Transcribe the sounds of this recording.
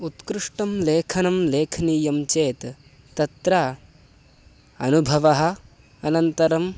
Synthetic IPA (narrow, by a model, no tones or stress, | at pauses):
ut̪kɾuʂʈɐmleːkʰɐnɐmleːkʰniːjɐmt͡ʃeːt̪ː | ɐt̪ɾa | ɐnubʱɐʋɐɦɐ̆ | ɐnɐnt̪ɐɾɐm